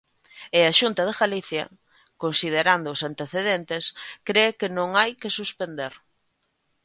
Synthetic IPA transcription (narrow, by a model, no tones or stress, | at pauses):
ɪaʃunt̪ɐðeɣaliθjɐ̰ | konsið̞eɾand̪ʊːsant̪eθeðent̪ɪskɾekɪnõŋajkɪsuspend̪eɾ